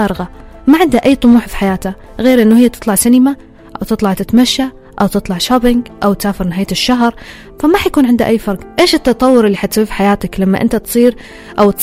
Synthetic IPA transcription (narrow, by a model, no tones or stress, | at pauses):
aːɾɣa | maʕɪnd̪aʔajːt̪ˤʊmuːħfi̥ħajaːt̪a | ɣeːɾʔɪnːuhɪjːat̪ɨ̥t̪ˤlɑʕsanɪma | ʔawt̪ɨt̪ˤlɑʕt̪ɪt̪maʃːa | ʔawt̪ɨt̪ˤlɑʕʃabɪŋɡʔawt̪saːfɪɾnɪaːjt̪ɪʃːaɦɾˤ | famaħajkuːnʕɪnd̪a̰ʔajːfɑɾˤɡʔeːʃɪt̪ːɑt̪ˤɑwːʊɾɪlːiħat̪sfi̥ħajaːt̪aklamːa̰ʔɪ̰nt̪at̪sˤiːɾ | ʔawt̪